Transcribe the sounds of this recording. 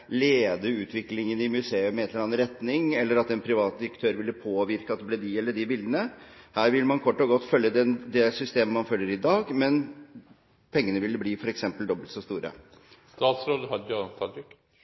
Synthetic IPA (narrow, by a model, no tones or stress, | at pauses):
leːd̪əʉːt̪ʰʋɪklɪŋənɪmʉseːʉmɛɛt̪ləɾɑnɑɾɛt̪nɪŋɛlːəɾɑt̪ɛnpʰɾɪʋɑːt̪̚d̪ɪɾəkt̪ʰøːɾʋɪlːəpʰoːʋɪɾkəɑt̪d̪ɛbleːd̪ɪɛlːəɖɪbɪld̪ənəhæːɾʋɪlːəmɑnkʰɔʈːɔɡɔt̪ːfœljəd̪ɛd̪ɛsʏst̪eːməmɑnfœljəɾɪd̪ɑːɡmɛn | pʰɛŋːənəʋɪlːəbliːfɔɾɛksɛmpəld̪ɔbəlt̪sɔst̪uːɾə̰ | st̪ɑːt̪sɾoːd̪hɑd̪əjɑt̪ʰɑlɪk